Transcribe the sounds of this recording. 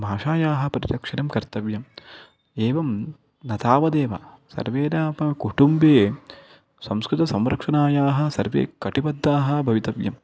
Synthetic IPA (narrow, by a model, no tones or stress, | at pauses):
bʱaːʂaːjaːɦɐ̆pɐɾid̪ɐkʂɐnɐmkɐɾt̪ɐʋjɐm | eːʋɐm | nɐt̪aːʋɐd̪eːʋɐ̰sɐ̰ɾʋeːɾaːpɐkuʈumbeː | sɐmskɾɪt̪ɐsɐmɾɐkʂɐnaːjaːɦɐ̆sɐ̰ɾʋḛːkɐʈibɐd̪ːaːɦɐ̆bʱɐʋit̪ɐʋjɐ̰m